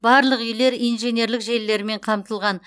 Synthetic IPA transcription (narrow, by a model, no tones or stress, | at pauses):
bɑɾlˠəqʏjle̞ɾijnʒe̞nʲe̞ɾlɪkʒe̞lːe̞ɾɪme̞ɴqʰɑmt̪əlˠʁɑn